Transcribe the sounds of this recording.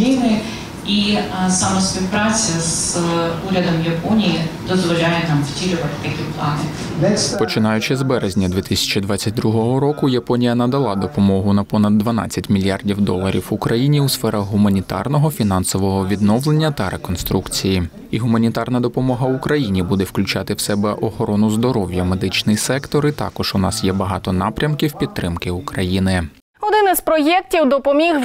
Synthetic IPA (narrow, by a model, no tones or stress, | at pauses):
ijnɪ | isɐmɐspʲiwpɾɑt͡sʲɐzuɾʲɐd̪ɔmjɐpɔnʲijid̪ɔzʋɔlʲajɛnɑmftʲiɾʲʊʋɐt̪ɪ̥t̪ɐkʲiplˠɑnɪ | d̪ɛsʲpɔt͡ʃɪnɑjʊt͡ʃɪzbɛɾezʲnʲɐd̪ʲʋʲit̪ɪsʲɐ̥t͡ʃid̪ʋɑt͡sʲːɐt̚ʲd̪ɾuɦɔɦɔɾɔkʊjɐpɔnʲijɐnɐd̪ɐlˠɑd̪ɔpɔmɔɦʊnɐpɔnɐd̪ːʋɐnɑ̰t͡sʲːɐtʲmʲilʲjɑrdʲiwd̪ɔ̰lˠɐɾʲḭwʊkɾɐjinʲiusfɛɾɐxɦʊmɐnʲit̪ɑ̰rnɔɦɔfʲin̪ɑnsɔʋɔɦɔʋʲid̪nɔwlˠe̞nʲːɐt̪ɐɾekɔnst̪ɾukt͡sʲiji | iɦʊmɐnʲit̪ɑrnɐd̪ɔpɔmɔɦɐʊkɾɐjinʲibud̪ɛwklʲʉt͡ʃɑt̪ɪwsɛbɛʔɔxɔɾɔnʊzd̪ɔɾɔwʲjɐme̞d̪ɪt͡ʃnɪjsɛkt̪ɔɾit̪ɑ̰kɔʒ̥ʊnɑsjɛbɐɦɑt̪ɔn̪ɑpɾʲɐmkʲiwpʲid̪t̪ːɾɪmkɪukɾɐjinɪ | ɔd̪ɪnɪzpɾɔjɛk̚tʲiwd̪ɔpɔmʲix